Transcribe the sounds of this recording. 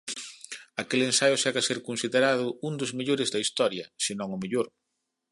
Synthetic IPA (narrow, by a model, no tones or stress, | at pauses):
akelensajʊsaɣaseɾkonsiðeɾaðʊund̪ʊzmeʎoɾɪzd̪ɐist̪ɔɾjɐsenõŋʊmeʎoɾ